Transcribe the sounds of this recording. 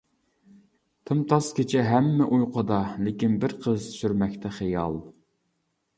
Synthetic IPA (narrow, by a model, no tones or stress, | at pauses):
t̪ʰɨmt̪ʰɑskʲet͡ʃʰɪɦɛmːɛʔujqʰʊd̪ɑlɪkʲinbɪɾqʰəzt̪ʰyʃyɾmɛkʲt̪ʰɛχejɑ̰lˠ